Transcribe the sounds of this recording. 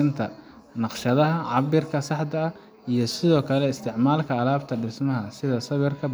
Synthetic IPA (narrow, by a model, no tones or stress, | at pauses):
ɪnt̪ʰɐ | nɑqʃɐðɐɦɐʕɑβɪrkʰɐsɑħd̪ɐɐ | ijɞsɪðɔːkʰɐlɛɪst̪ʰɪʕmaːlkʰɐːlaːbt̪ʰɐɖɪsmɐɦɐsɪðɐsɐβɪrkʰɐ